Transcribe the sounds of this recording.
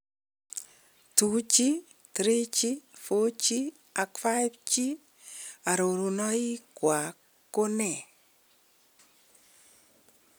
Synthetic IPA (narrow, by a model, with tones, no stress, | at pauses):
tu˨t͡ʃi˦ | kɾɪ˦t͡ʃi˦fo˦t͡ʃi˦ | a˨kfa˦jpt͡ʃi˦ | a˨ɾo˨ɾu˨nɔ˦i˦kwa˨kː | o˦nɛ˨